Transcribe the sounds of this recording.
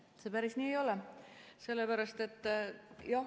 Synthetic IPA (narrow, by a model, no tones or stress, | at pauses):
sepæɾisniːejo̞lɛse̞lːepæɾɑst̪e̞t̪ːˑjɑ